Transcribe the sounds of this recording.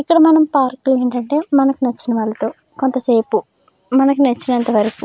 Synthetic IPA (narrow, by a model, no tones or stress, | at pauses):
ikːɐɽɐmɐnɐmpaːɾkːleɐɳʈɐɳʈe̞ːmɐnɐkunɐt͡ʃːinɐʋaːɭːɐt̪o̞ː | ko̞nt̪ɐseːpu | mɐnɐkunɐt͡ʃːinɐnt̪ɐʋɐɾɐku